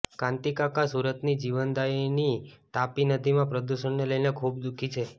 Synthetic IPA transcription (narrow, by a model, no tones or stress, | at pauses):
kãnt̪ikakasuɾət̪nid͡ʒiʋənd̪ainit̪apinəd̪ʱimãpɾəd̪uʃənneləjnekʰubd̪ukʰit͡ʃʰe